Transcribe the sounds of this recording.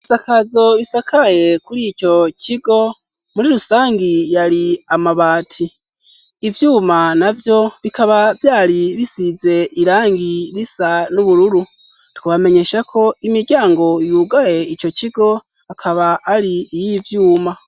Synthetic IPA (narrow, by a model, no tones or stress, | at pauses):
isakazo̞βisakʰaje̞kuɾico̞cʰiɡo̞ | muɾiɾusaːŋɡijaɾiamaβaːtʰiː | vjuːmanavjo̞βikaβavjaːɾiβisize̞ʔiɾaːŋɡiɾisanuβuɾuɾu | tu̥kuβame̞ɲe̞ʃakʰo̞imiɾɟaːŋɡo̞juːɡaje̞ico̞ciɡo̞ | akʰaβaʔːɾiːjivjuːma